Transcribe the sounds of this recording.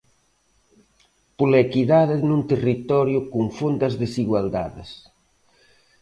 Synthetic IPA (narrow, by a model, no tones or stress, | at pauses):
pulekiðaðɪnunt̪erit̪ɔɾjʊkuŋfond̪ɐzðesiɣwald̪a̰ðɪ̰s